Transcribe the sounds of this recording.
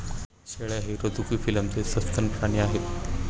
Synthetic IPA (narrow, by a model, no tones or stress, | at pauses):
ɕeɭeaɦeɾəd̪ʱukiːfiləmt͡sesəst̪ʰənpɾaɳ̃iːaɦe